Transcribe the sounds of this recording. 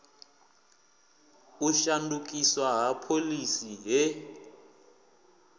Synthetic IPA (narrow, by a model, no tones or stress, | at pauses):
uʃanduk̬ʼiswaɦapʰolisiɦɛ